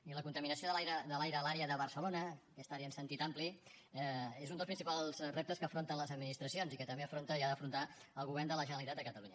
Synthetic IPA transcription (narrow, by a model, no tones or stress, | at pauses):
iləkunt̪əminəsioðəlajɾəðəlajɾəlaɾeəðəβəɾsəlonəkɛst̪aɾeənsənt̪it̪ampliɛezund̪əlˠspɾinsipalˠzrep̚t̪əskəːfɾont̪ənləzəd̪̚minist̪ɾəsionzikət̪əmbeəfɾont̪əiaðəfɾunt̪a | əlˠɣuβɛrnd̪ələʒənəlit̪at̪d̪əkət̪əluɲə